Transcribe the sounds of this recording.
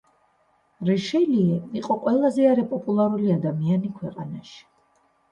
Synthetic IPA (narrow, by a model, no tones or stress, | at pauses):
ɾɛʃɛliɛiqʼɔqʼwɛlˠazɛaɾɛpʼɔpʼulˠaɾuliad̪amianikʰwɛqʼanaʃi̥